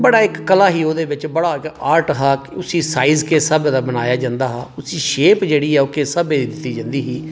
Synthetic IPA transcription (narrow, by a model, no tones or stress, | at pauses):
bəɽaːɪkːəlaːɦiːoːd̪eːʋɪt͡ʃbəɽaːɪkaːɾʈɦaːkʊsiːsaːiːzkeːsəbd̪aːbənaːjaːd͡ʒãːnd̪aːɦaːʊsiːʃeːpd͡ʒeːɽiːɛːokeːsəbeːd̪iːd̪ɪt̪ːiːd͡ʒãːnd̪iːɦiː